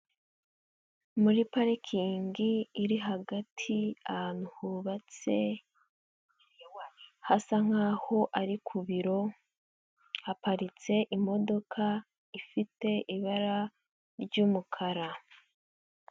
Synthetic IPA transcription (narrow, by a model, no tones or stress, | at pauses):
muɾipaɾekʰiːŋɡiːɾiɦaɡatʰiaanuhuβat͡se̞ | hasaŋ̥aːho̞ʔaɾikʰuβiɾo̞ | hapaɾit͡se̞ʔimo̞do̞kʰa | ifite̞ʔiβaɾa | ɾɟuːmukʰaɾa